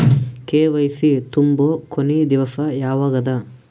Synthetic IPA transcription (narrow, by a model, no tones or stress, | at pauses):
keːʋɐjsit̪umboːkonid̪iʋɐsɐjaːʋaːɡɐd̪ɐ